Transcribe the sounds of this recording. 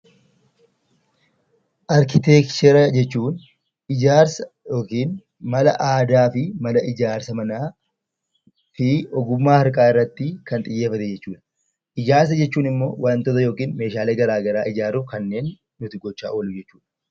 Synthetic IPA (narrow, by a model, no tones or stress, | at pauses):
ʔɐɾkɪt̪eːkt͡ʃɛɾɐd͡ʒɛt͡ʃːuːn | ɪd͡ʒaːɾsɐ̥ | joːkiːn | mɐlɐ̰ʔaːd̪aːfɪmɐlɐʔɪd͡ʒaːɾsɐmɐnaː | fɪɔɡʊmːaːhɐɾkʼaːɪrːɐt̪ːɪkɐnt̪ʼɪjːeːfɐt̪ɛd͡ʒɛt͡ʃːuːᶑɐ̥ | ʔɪd͡ʒaːɾs̬ɐd͡ʒɛt͡ʃːuːnɪmːo̞̰ːwant̪ɔt̪ɐjo̞ːkiːnme̞ːʃaːleːɡɐɾaːɡɐɾaːʔɪd͡ʒaːɾʊkɐnːe̞ːnː | ʊt̪ɪɡɔt͡ʃːa̰ːʔolʊd͡ʒɛt͡ʃːu̥ːᶑɐ̥